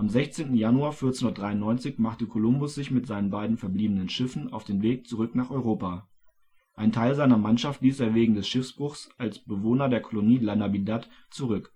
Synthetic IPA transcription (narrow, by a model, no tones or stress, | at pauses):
ʔamzɛçt͡seːntn̩januaːɐfyːɐt͡senʊndɐtd̥ʁaɪʊnːɔʏnt͡sɪçmaχtəkʰolʊmbʊsz̥ɪçmɪtz̥aɪnənbaɪdn̩fɛɐbliːbənənʃɪfn̩a̰ʊfd̥eːnveːk̚t͡suʁ̞ʏknaːχɔʏʁoːpa | ʔaɪntʰaɪlzaɪnɐmanʃaftl̥iːseːɐveːɡŋ̩dɛsʃɪfsb̥ʁʊχsʔalsb̥əvoːnɐdeːɐkʰoloniːlanabidat | t͡suʁʏk